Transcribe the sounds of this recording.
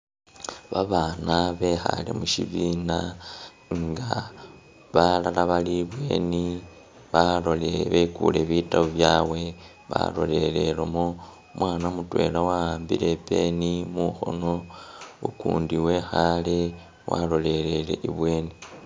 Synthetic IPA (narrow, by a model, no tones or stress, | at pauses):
βaβaːnaβe̞xa̰lḛmuʃiβina | ŋɡa | βalalaβaliβwe̞̰ːni | βaloleβekṵle̞βitaβoβjaːwe̞ | βa̰lo̞le̞le̞lomo | mwaːnamutwe̞̰ːlawaaːmbḭɾe̞pe̞nimuxo̰no̞ukṵːndiwe̞xale | wa̰lo̞le̞le̞le̞̰ʔiβwe̞ːni